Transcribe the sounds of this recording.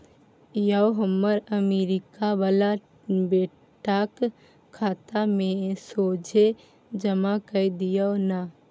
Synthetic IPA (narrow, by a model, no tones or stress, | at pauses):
jaoɦəmːəɾəmeɾɪkabala | be | ʈak | kʰːaːt̪amẽsod͡ʒʱe | d͡ʒəmakəid̪ijəona